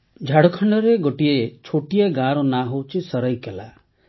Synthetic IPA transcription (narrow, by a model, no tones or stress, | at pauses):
d͡ʒʱaɽɔkʰaɳɖɔɾeɡoʈiet͡ʃʰoʈieɡaɾɔnaɦowt͡ʃʰisəɾəjkela